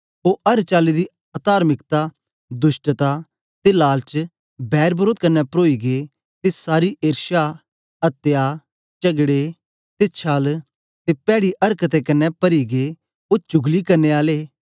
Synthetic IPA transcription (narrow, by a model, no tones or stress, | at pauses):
oːʔɐɾt͡ʃaːlid̪i | at̪aːɾmɪkt̪a | d̪ʊʃʈt̪a | t̪elaːlt͡ʃ | bɛːɾbɾoːd̪̚kɐnːɛpɾoːiɡeː | t̪esaːɾiʔeːɾʃa | ɐt̪ːjaː | t͡ʃɐɡɽe | t̪et͡ʃʰaːl | t̪epɛːɽiʔɐɾkət̪ɛkɐnːɛpɐɾiɡeː | oːt͡ʃʊɡlikɐɾneːaːleː